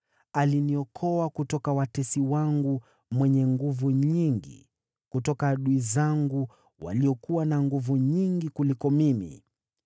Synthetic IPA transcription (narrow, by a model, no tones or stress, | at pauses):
aliniɔkʰɔakutɔkawatɛsiwaŋɡu | mwɛɲɛŋɡuvuɲiŋɡḭ | kutɔkaːɗuizaŋɡu | wa̰liɔkuwanaŋɡuvuɲiŋɡikulikɔmimḭ